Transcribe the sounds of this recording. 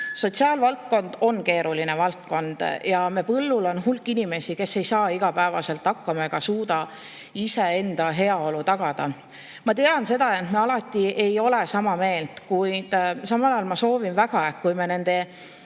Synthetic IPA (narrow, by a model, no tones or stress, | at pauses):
so̞t̪siɑːlvɑlt̪̚ko̞nd̪̥o̞nke̞ːɾʔuline̞vɑlt̪̚ko̞nd̪̥jɑme̞pɤlːulo̞nɦulkːˑinime̞sike̞sːe̞jsɑːiɡ̥ɑpæevɑ̰se̞lt̪ːhɑkːɑmɑe̞ɡ̥ɑsuːd̪ɑ | ise̞e̞nd̪̥ɑɦe̞ɑo̞lut̪ɑɡ̥ɑd̪̥ɑ | mɑt̪e̞ɑnse̞d̪̥ɑe̞nt̪meɑlɑt̪ːˑie̞jo̞le̞sɑmɑme̞ːlt̪kujd̪̥sɑmɑlɑjɑlmɑso̞ːvinvæɡ̥ɑekkːujmene̞nd̪̥e̞